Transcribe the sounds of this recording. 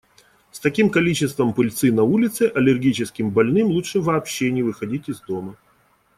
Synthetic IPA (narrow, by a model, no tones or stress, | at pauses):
st̪ɐkʲimkɐlʲit͡ɕɪst̪vəmpɨlʲt̪sɨnɐulʲɪt̪sɨʔɐlʲɪrɡʲit͡ɕɪskʲɪmbɐlʲnɨmlˠutʂɨvɐːpɕːenʲɪvɨxɐdʲitʲɪzd̪o̞mə